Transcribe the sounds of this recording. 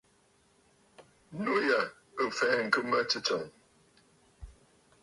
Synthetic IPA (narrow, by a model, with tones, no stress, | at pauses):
nu˦ja˨ | ə˨fɛ˨˦˨ŋ̩˨kɨ˦mə˦t͡sɨ˦t͡sɔ˨ŋ